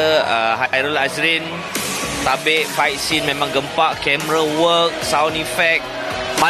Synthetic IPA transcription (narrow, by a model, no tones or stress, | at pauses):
əɦajɾɔlasɾin | t̪abeʔfajt̪̚sinmẽmãŋɡəmpaʔkɛməɾawək̚sawnĩfɛk̚ | mã